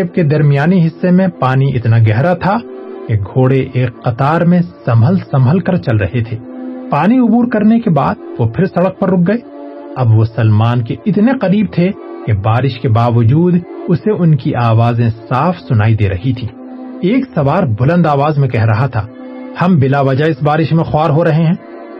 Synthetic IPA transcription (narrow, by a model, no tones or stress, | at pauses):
b̚ked̪ɐɾmijaːniɦɪsːemẽpaːniʔɪt̪naɡɛɦɾat̪ʰakeɡʱoːɽeʔeːkːɐt̪aːɾmẽsɐməlsɐmɦəlkɐɾt͡ʃɐlɾɐ̰ɦet̪ʰeːpaːniʊbuːɾkɐɾnekebaːd̪̚ʋopʰɪɾsɐɽək̚pɐɾːʊk̚ɡɐe | ɐbʋosɐlmaːnkeɪt̪neqɐɾiːb̚t̪ʰe | kebaːɾɪʃkebaːʋəd͡ʒuːd̪ʊseʊnkiʔaːʋaːzẽsaːfʰsʊnaːid̪eːɾɐ̰ɦit̪ʰiː | eːksɐʋaːɾbʊlə̃nd̪aːʋaːzmẽkɛɦɾɐɦat̪ʰa̰ | hɐ̃mbɪlaʋɐd͡ʒaɪsbaːɾɪʃmẽxʊwaːɾɦoɾɐɦeɦɛ̃ː